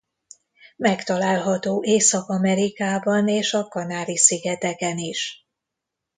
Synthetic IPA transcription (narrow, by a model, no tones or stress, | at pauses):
mɛkt̪ɒlaːlɦɒt̪oːʔeːsɒkɒmɛɾikaːbɒneːʃɒkɒnaːɾisiɡɛt̪ɛkɛniʃ